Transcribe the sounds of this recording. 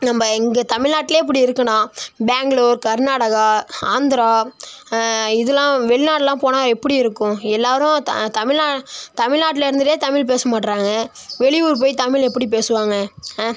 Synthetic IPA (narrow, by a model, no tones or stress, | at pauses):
nɐmbɐɛŋɡɐt̪ɐmɪɻlnaːʈːɪleːpːɐɽiɪɾɯkːɐnãːbaːŋɡɭoːɾkɐɾnaːɽɐɣaaːnd̪ɪɾaː | ɪðɐlãːʋɛɭɪnaːʈːɛlãːpoːnaːɛpːɐɽiɪɾɯkːʊ̃ɛlːaːɾʊ̃t̪ɐ̰t̪ɐmɪɭnaːt̪ɐmɪlnaːʈ̬ːɪlɪɾɯnd̪ɯʈːeːt̪ɐmɪlp̬eːsɐmaːʈːɾaːŋɡɐʋɛɭɪjuːɾp̬oːjt̪ɐmɪɭɛpːɐɽip̬eːsɯʋaːŋɡɐ